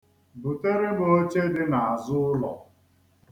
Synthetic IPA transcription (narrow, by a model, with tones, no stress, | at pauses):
bu˨te˦ɾɪ˦bo˦t͡ʃe˦dɪ˦na˨a˨zʊ˦ʊ˦lɔ̰˨